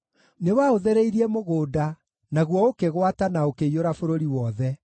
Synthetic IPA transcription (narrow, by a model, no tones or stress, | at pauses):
newaoðɛɾeiɾiɛmoɣoːda | naɣwɔokeɣwatanaokeioɾafoɾoɾiwɔðɛ